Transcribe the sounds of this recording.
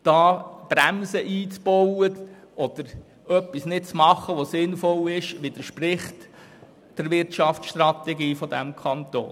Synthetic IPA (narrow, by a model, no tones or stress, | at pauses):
d̥ɑːb̥ɾæmsəʔiːt͡sb̥ɔwəʔɔd̥̪əɾ | œpːisnɪt̚t͡smɑχːəʋɔsɪnfɔlɪʃʋɪd̥̪əɾʃpɾɪχt | d̥əɾʋɪɾtʃɑftt͡ssʃtrɑt̪ɛɡiːfɔd̪æmkʰɑnt̪o̰ː